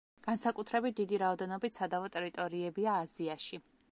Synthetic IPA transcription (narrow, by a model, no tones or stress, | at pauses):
ɡ̥ansakʼut̪ʰɾɛbit̪̚d̪id̪iɾaɔd̪ɛnɔbit̪ʰsad̪avɔt̪ʼɛɾit̪ʼɔɾiɛbiaːziaʃi